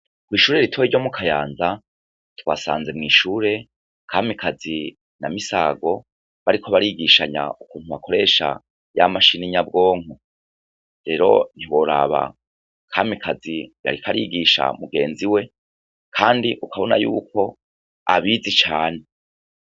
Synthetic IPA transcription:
kwiːʃuːɾe̞ɾitʰoiɾɟo̞mukʰajaːnza | twa̰sa̰ːnze̞mŋiːʃuːɾe̞ | kʰaːmikʰazi | namisaːɡo̞ | βaɾikʰoβaɾiɡiʃaɲa̰ʔukuːnhuβakʰo̞ɾe̞ːʃa̰ | jamaʃiniɲabɡo̞ːŋ̥u | ɾe̞ɾo̞̰n̥iwo̞ɾa̰βa̰ | kʰaːmikʰazija̰ɾikʰaɾiɡiʃa̰muɡe̞ːnziwe̞ | kʰaːndiʔukʰaβo̞na̰jṵːko̞ | a̰βizit͡ʃaːne̞

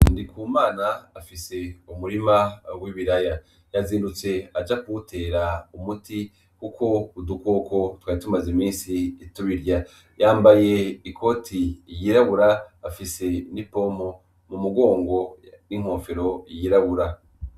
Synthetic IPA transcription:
ndikʰuːmaːnaːfise̞umuɾimawiβiɾaja | jaziːndut͡se̞ad͡ʒakuutʰe̞ːɾaumutʰi | kukʰo̞uduko̞ko̞twaːitumazemiːnsiːtuβiɾja | jaːmbaje̞ikʰo̞tʰijiɾaβuɾaːfise̞nipo̞mo̞ | mumuɡo̞ːŋɡo̞ | niŋ̥ho̞ːfe̞ɾo̞jiɾaβuɾa

